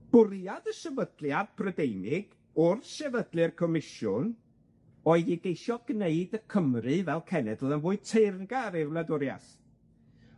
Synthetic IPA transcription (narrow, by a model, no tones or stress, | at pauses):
b̥ʊɾjaðəsɛvədljad̚pʰrədejnɪɡ̥ | ʊrʃɛvədlˠɨrkʰɔmɪʃʊn | ɔɨðiɡejʃɔɡneɨdəkʰəmrɨvɛlˠkʰɛnɛdəðənvʊːɨ̥tʰernɡaɾɪvlˠadʊɾja̰s